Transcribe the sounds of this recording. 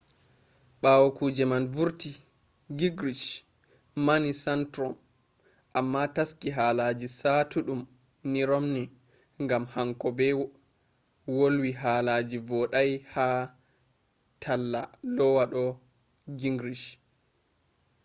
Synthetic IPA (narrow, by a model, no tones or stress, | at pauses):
ɓawɔkuːd͡ʒɛmanvuɾti | ɡiɡɾiʃ | manisantɾɔm | ʔamːataskiɦaːlad͡ʒisatuɗum | niɾɔmni | ŋɡamhaŋkɔbɛ | wolwiɦaːlaːd͡ʒivɔɗajhaː | tʰalːalɔwaɗɔ | ɡiŋɡɾiʃ